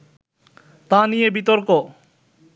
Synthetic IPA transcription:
t̪ãnijebit̪oɾko

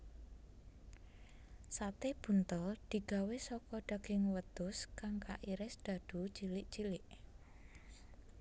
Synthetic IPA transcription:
sat̪eb̥ṳnt̪əld̪̥i̤ɡ̥a̤wesɔkɔɖ̥ä̤ɡ̥ɪŋwət̪ʊskaŋka̰ʔiɾɪsd̪̥a̤d̥ṳt͡ʃilɪʔt͡ʃilɪʔ

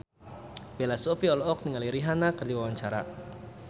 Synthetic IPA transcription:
bɛlasofiɔlɔɔk̚niŋaliɾiɦanakərdiwawaɲt͡ʃaɾa̰

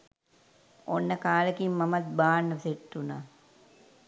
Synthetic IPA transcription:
onːəkaːləkimːɐmɐt̪̚baːnːəseʈːunaː

